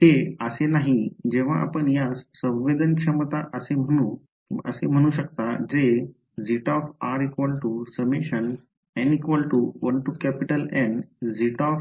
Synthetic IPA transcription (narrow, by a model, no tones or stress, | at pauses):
heəsenaɦid͡ʑeʋ̤aʔa̰pəɳjassə̃ʋʋed̪ənkʂəmt̪aʔəsem̤əɽ̃ũː | ə̰sem̤əɽ̃uːɕək̚t̪ad͡ʑe | d͡ziʈɔfaɾikʋɔlʈusəmeɕən | ɛ̃nikʋɔlʈuʋəɳʈukæpiʈəlɛ̃nd͡ziʈɔf